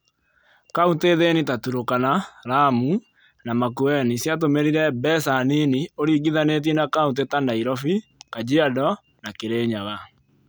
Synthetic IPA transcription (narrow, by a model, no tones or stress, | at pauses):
kaunteðenitatuɾokanaɾamu | namakuɛnisjat̬omeɾiɾɛbɛsaninioɾiːɡiðanet̬inakaunt̬etandaiɾɔfikad͡ʑiadɔ | nakeɾeːɲaɣa